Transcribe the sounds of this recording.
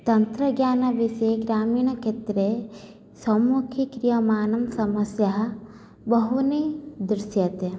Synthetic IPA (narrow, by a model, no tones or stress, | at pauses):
t̪ɐnt̪ɾɐɡjaːnɐʋiʃeɡɾaːmiːɳɐkʰet̪ɾe | sɐmuːkʰikɾijɐmaːnɐmsɐmɐsjɐɦɐ̆ | bɐɦuned̪ɾɪsjɐt̪e